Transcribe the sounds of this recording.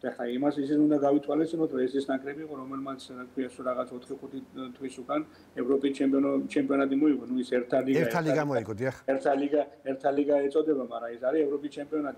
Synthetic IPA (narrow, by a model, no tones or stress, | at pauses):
d̪̥aɛχlaimasisisund̪aɡavit̪ʰwalist̪ʼinɔt̪ʰɾɔɛsd̪isnakʼɾɛbiːqʼɔɾɔmɛlmat̪sʰakʰwiaʃɔɾaʁat̪sʰɔt̪ʰχiχut̪ʰit̪ʰwisukʼan | ɛvɾɔpʼist͡ʃʰɛmpʼiɔɔt͡ʃʰɛmpʼiɔnat̪ʼimɔiɡɔnuisɛɾt̪ʰaliɛɡɾt̪ʰaliɡamɔiɡɔd̪iaχɛɾt̪ʰaliɡaɛɾt̪ʰaliɡaɛt̪sʼɔd̪ɛbamaɾaisaɾiɛvɾɔpʼist͡ʃʰɛmpʼiɔnat̪ʼi